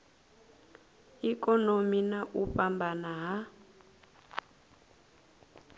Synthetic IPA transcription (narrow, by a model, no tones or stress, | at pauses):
ikɔnominaʔupambanaɦa